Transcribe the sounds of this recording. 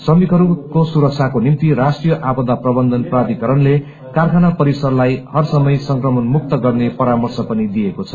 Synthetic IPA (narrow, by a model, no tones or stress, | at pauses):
sʌmikʌɾukosuɾʌk̚t͡sʰakonimt̪iɾasʈrijʌʔabʌd̪aprʌbʌnd̪ʱʌnprad̪ikʌɾʌnle | karkʰanapʌɾisʌrlajhʌrsʌmʌjsʌŋkrʌmʌnmuk̚t̪ʌɡʌrnepʌɾamʌrsʌpʌnid̪ijekot͡sʰʌ̥